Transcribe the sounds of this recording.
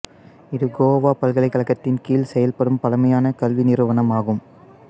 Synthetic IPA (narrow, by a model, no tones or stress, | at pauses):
ɪðɯɡoːoʋaːpɐlɣɐɭɐɪkːɐlɐkːɐt̪ːɪnkiːlsɛjɐlpɐɽɯmpɐlɐmɐjaːnɐkɐlʋinɪrɯʋɐnɐmaːɣɯm